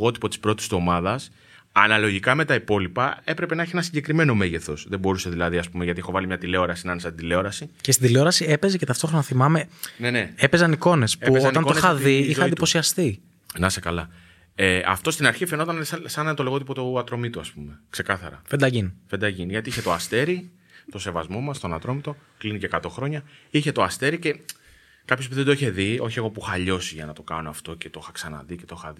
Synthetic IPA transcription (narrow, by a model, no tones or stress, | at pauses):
ɣo̞t̪i̥po̞t̪i̥spɾo̞t̪iso̞mɐðɐs | ɐnɐlo̞ʝikɐme̞t̪ɐipo̞lipɐe̞pɾe̞penɐeçienɐsiɲɟe̞kɾime̞no̞me̞ʝe̞θo̞sðebo̞ɾuse̞ðilɐðiɐspumeʝɐt̪iexo̞vɐlimɲɐt̪ile̞o̞ɾɐsinɐnesɐt̪ind̪ile̞o̞ɾɐsicest̪id̪ileo̞ɾɐsie̞pe̞ze̞ce̞t̪ɐft̪o̞xɾo̞nɐθimɐme̞nenee̞pezɐniko̞ne̞speutonɐnonxɐðiixɐd̪ipo̞siɐst̪i | nɐsekɐlɐ | eɐ̰ft̪o̞st̪inɐɾçifenot̪ɐnssɐnɐnt̪ole̞ɣo̞t̪ipot̪oɐt̪ɾo̞mit̪oɐspumekse̞kɐθɐ̰ɾɐ̰fend̪ɐʝinfend̪ɐʝinʝɐt̪iiçet̪oɐst̪e̞ɾi | t̪o̞se̞vɐzmo̞mɐst̪o̞nɐt̪ɾo̞mit̪o̞ | klinicekɐt̪o̞xɾo̞ɲɐiçe̞t̪o̞ɐst̪e̞ɾice̞ | kɐpçopiðe̞d̪oiçe̞ðio̞çie̞ɣo̞puxɐːʎo̞siʝɐnɐt̪o̞kɐ̰no̞ɐft̪o̞ce̞t̪o̞xɐksɐnɐ̰ðice̞t̪o̞xɐði